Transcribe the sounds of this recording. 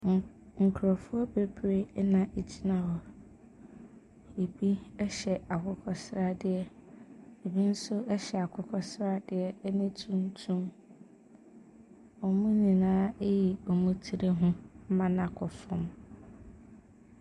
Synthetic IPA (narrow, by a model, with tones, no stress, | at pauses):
ŋ̩˨kʰɾɔ˨fʊ˦ɔ˦be˦bɾe˦nã˦ʔe˨d͡ʑi˦nã˦ɦɔ˨ | e˨bi˦ɛ˦ɕɛ˨a˨kʰʊ˦kʰɔ˦sɾa˦dɪ˦ɛ˨ | e˨bi˦n̩˦sʊ˦ʔɛ˦ɕɛ˨a˨kʰʊ˦kʰɔ˦sɾa˦dɪ˨ɛ˨˦nɪ̃˦tʰũ˦n˦tʰũ˦m | ɔ˨mũ˦nĩ˨nãː˦e˦ji˨ɔ˨mũ˦tʰi˦ɾe˦ɦʊ̃˦m̩˦mã˦nã˨kʰɔ˨fʊ̃˦˨m